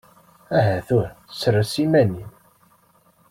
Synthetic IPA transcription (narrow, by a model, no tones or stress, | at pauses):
æɦæθʊɾsərːəsimæni